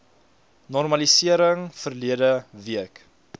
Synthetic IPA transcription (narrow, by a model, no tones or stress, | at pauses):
nɔrmɐlisiəɾəŋfərliədəviək